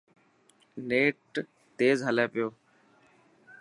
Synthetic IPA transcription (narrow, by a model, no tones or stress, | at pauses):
neːʈ | t̪eːzɦəleːpɪjoː